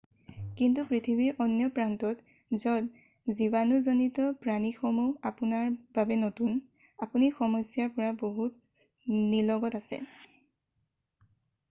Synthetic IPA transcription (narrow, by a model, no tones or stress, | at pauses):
kintupɹitʰibiɹʔɔnjɔpɹantɔt | zɔd | zibanuzonitɔpɹanixɔmuapunaɹbabɛnotun | apunixɔmɔjsijaɹpɔɹaboɦut̚ | nilɔɡɔtasɛ̰